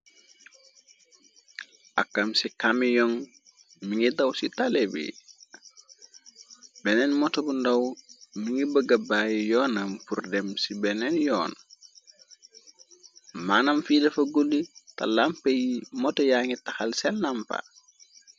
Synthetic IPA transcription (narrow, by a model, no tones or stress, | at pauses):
ʔa̰kːamsikamijɔŋ | miŋidawsitalebḭ | benenmɔtobundawmiŋɡibəɡabaːjjɔːnampurdemsibenenjɔːn | maːnamfidɐfɐɡoldita̰lampejimɔtojaŋitaxalsɛlnampa̰